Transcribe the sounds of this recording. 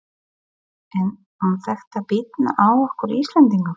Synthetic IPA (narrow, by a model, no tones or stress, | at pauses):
ɛn | hunθɛxt̪apɪt̪na̰ʔaːwɔhkʏɾist̪lɛnt̪iŋkʏm